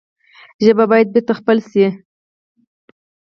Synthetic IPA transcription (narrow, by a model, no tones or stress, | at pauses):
ʒəbabɑjad̪̚beɾt̪axpəlsi